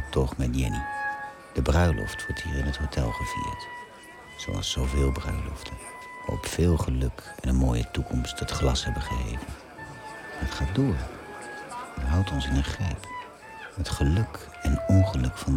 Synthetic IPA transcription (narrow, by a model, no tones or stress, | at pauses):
tɔχmɛdjɛ̰ni | d̥əbrœɥlʔɔ̰ftʋɔɹtɦiːɹɪnɦətɦowtʰɛlˠχəvḭːɹt | so̰wɑ̰lˠsowvɪːlˠbrœ̰ɥlɔ̰ftʰə | ʋa̰ːrɔ̰pfɪːlˠχəlɵkɛnənmoːjətukʰɔmsthətχlɑsɦɛbəχəɦḛjvənː | ətχaːt̚dʊːɹ | əɦʌwtɔnsɪnəχrɛjp | ətχəlɵk | ɛnɔnχəlɵkfɑn